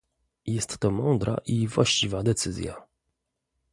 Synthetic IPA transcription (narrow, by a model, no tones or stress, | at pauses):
jɛst̪ːɔmɔnd̪ɾʔa̰ʔivwaɕt͡ɕivad̪ɛt̪sɘzʲja̰